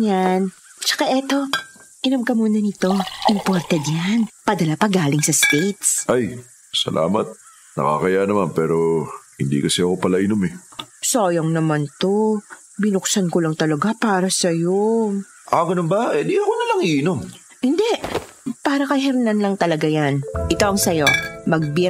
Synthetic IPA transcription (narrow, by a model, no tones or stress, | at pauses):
jan | t͡ʃɐ̥kaʔɛt̪o̞ʔɪnomkɐmuːnɐnɪt̪o̞ʔɪmpoɾt̪ɛd̪janpɐd̪ɐlapɐɡaːlɪŋsɐst̪ejt̪sʔaj | sɐ̰lʔa̰ːmɐ̰t̪̚ | nɐ̰ka̰kɐjanɐmanpɛːɾo̞hɪ̰nd̪ḭːkɐsɛɐko̞pɐlaʔɪnomɛsoːjoŋnɐmant̪o̞ | bɪnʊksɐnkolɐŋt̪ɐlɐɡapaːɾɐsɐjo | ʔaɡɐnombɐʔɛd̪iɐkonɐlaŋʔiʔɪnomhɪnd̪ɛʔpaːɾɐkɐɦɛɾnɐnlɐŋt̪ɐlɐɡajanʔɪt̪oʔɐŋsɐjo̞mɐɡ̚bɛ